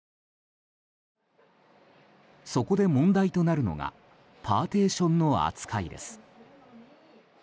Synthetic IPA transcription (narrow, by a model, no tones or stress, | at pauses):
so̞ko̞d̪e̞mõ̞nd̪ait̪o̞naɾɯ̟no̞̰ɡa̰ | pʰaːt̪e̞ːɕõ̞nːo̞a̰t͡sɨ̥kʰaid̪e̞̰sɨ̥